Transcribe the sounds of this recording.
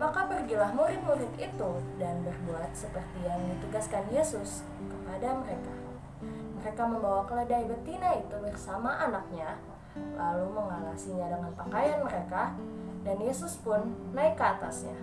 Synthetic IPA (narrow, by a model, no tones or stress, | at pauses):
makapərɡilahmuɾɪt̪̚muɾɪt̪it̪udanbərbuat̪̚səpərt̪ijaŋdit̪əɡaskanjesʊs | kəpadaməɾeka | məɾekaməmbawakələdaibət̪inait̪ubərsamaʔanak̚ɲa | laluməŋalasiɲadəŋanpakajanməɾekadanjesʊspʊnːaɪkːəat̪a̰sɲa̰